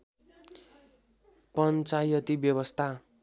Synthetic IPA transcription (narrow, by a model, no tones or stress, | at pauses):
pʌnt͡sajʌt̪ibjʌβʌst̪ʰa